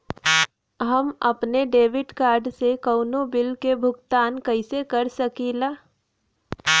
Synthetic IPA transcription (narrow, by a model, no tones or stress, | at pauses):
ɦɐmɐpneɖeːʋɪɖkaːɾɖsekəʊnobɪlkebʱʊɡt̪aːnkɐɪsekɐɾsɐkiːlaː